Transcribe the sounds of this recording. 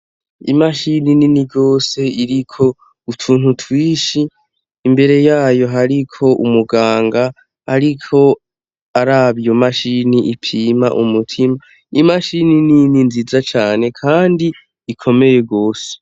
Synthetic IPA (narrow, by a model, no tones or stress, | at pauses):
ḭmaʃinininiɾɡo̞ːse̞iɾikʰo̞ | utʰuːn̥hutʰwiːʃiː | mbe̞ɾe̞jaːjo̞ɦaɾikʰo̞ʔṵmuɡaːŋɡaː | ɾikʰo̞ | aɾaβijo̞maʃiniʔipʰiːma̰ʔumutʰima | imaʃininininzizat͡ʃaːne̞kʰaːndiː | kʰo̞me̞je̞ɡo̞ːse̥